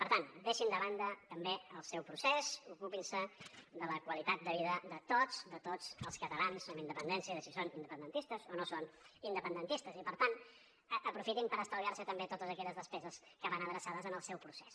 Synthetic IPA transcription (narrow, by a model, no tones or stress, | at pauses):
pəɾt̪and̪eʃind̪əβand̪ət̪əmbeəlˠsɛwpɾusezukupinsəðələkwəlit̪at̪̚d̪əβiðəd̪ət̪od͡zd̪ət̪od͡zəlˠskət̪əlansəmind̪əpənd̪ɛnsiəðəsisonind̪əpənd̪ənt̪ist̪əzonosonind̪əpənd̪ənt̪ist̪əzipəɾt̪an | ʔəpɾufit̪impəɾəst̪əliaɾsət̪əmbet̪ot̪əzəkɛʎəzðəspɛzəskəβanəðɾəsaðəzənəlˠsɛwpɾusɛs